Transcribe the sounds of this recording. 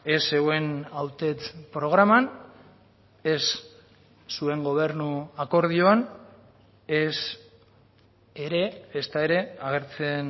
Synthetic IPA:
e̞se̞ɣwe̞nawt̪e̞t͡s̪pɾo̞ɣ̞ɾaman | e̞sː | ue̞ŋɡo̞β̞e̞ɾnuako̞ɾð̞io̞an | es | eɾe̞ːst̪ae̞ɾe̞aɣ̞e̞ɾt͡se̞n

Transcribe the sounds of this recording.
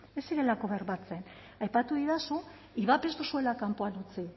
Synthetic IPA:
e̞siɾe̞lako̞βe̞ɾβat͡se̞n | ajpat̪uðiðasu | iβape̞zt̪usue̞lakampo̞alut͡si

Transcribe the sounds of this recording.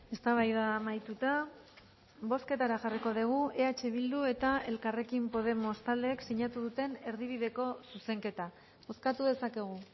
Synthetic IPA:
e̞st̪aβajðamajt̪ut̪a | bo̞ske̞t̪aɾaʝariko̞ðeɣ̞ue̞at͡ʃe̞β̞ild̪ue̞t̪ae̞lkare̞kimpo̞ð̞e̞mo̞st̪ald̪e̞ːksiɲat̪uðut̪e̞ne̞ɾðiβ̞iðe̞ko̞suse̞ŋke̞t̪a | o̞skat̪uðe̞sake̞ɣ̞u

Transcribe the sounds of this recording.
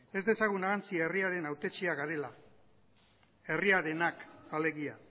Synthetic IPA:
e̞zd̪e̞saɣ̞unaɣant͡sieriaɾe̞nawt̪e̞t͡ʃiaɣaɾe̞la | e̞riaɾe̞nakale̞ɣia

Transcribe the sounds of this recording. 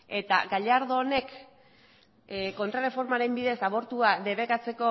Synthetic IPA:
e̞t̪a̰ɡaʎaɾðoːne̞k | ko̞nt̪ɾarefo̞ɾmaɾe̞mbiðe̞saβo̞ɾt̪uaðe̞βe̞kat͡se̞ko̞

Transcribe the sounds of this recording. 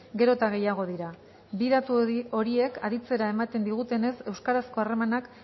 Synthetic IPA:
ɡe̞ɾo̞t̪aɣ̞e̞jaɣ̞o̞ð̞iɾa | biðat̪uo̞ɾie̞kʰaðit͡se̞ɾae̞mat̪e̞nd̪iɣ̞ut̪e̞ne̞se̞wskaɾasko̞are̞manak

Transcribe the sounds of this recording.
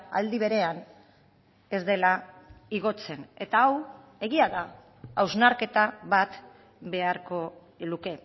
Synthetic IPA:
a̰ld̪iβe̞ɾe̞an | e̞zd̪e̞laiɣ̞o̞t͡se̞ne̞t̪aaw | e̞ɣiaða | awznaɾke̞t̪aβat̪ | be̞aɾko̞ | luke̞

